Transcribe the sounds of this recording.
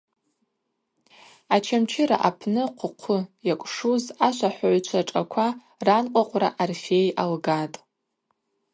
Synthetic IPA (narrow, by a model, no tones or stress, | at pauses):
at͡ʃʰamt͡ʃʰɪɾa̰ʔapʰnɨqʷʰʊqʷʰʊjakʷʼʂuzaʃʷaħʷaʕʷt͡ʃʷʰaʈ͡ʂʼakʷʰa | ranqʷʼaqʷʼra̰ʔarfʲejalɡatʼ